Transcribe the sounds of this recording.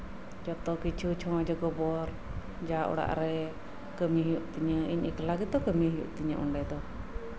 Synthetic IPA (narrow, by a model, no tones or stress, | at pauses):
d͡ʒɔt̪ɔkit͡ʃʰut͡ʃʰɔwad͡ʒɔɡɔbɔɾ | d͡ʒaʔɔ̰ɽa̰ʔɾɛ | kəmiɦijuʔt̪iɲəḭɲḭklaɡit̪̚d̪ɔkəmiɦijṵʔt̪iɲə̰ʔṵɳɖɛd̪ɔ